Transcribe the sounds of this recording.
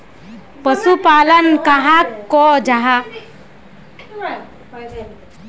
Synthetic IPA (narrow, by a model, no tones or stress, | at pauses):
pəsupalənkaɦakːɔd͡ʒaɦa